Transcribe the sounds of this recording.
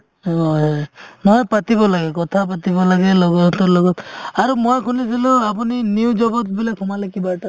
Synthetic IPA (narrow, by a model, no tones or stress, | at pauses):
ɔnɔjpatibɔlaɡɛkɔtʰap̬atibɔlaɡɛlɔɡɔtɔlɔɡɔtaɹumojkʰunis̬ilʊap̬uniniwd͡ʒɔbɔtbilakʰumalekibaʈa